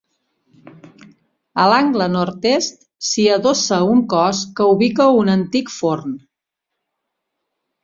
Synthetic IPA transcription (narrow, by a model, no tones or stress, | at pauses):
əlaŋɡlənɔɾt̪est̪̚ | siəðosəuŋkɔskəuβikəunənt̪ikforn